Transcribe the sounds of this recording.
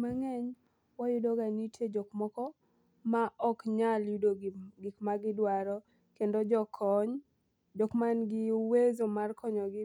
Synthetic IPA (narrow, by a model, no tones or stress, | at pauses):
maŋɛɲ | wajʊdoɡanitjed͡ʒɔkmɔkɔ | maʔɔkɲaljudoɡikmaɡɪdwaɾɔ | kendod͡ʒɔkʰɔɲ | d͡ʒɔkmanɡɪwezomarkʰɔɲɔɡɪ